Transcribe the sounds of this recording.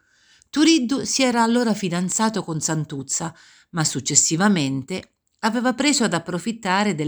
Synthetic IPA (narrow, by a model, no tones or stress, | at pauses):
t̪uɾid̪ːusiɛːɾaːlːoːɾafid̪ant̪saːt̪okonsant̪ut̪sːa | masːut͡ʃːesːivament̪e | aveːvapɾeːzoad̪apːɾofit̪ːaːɾed̪e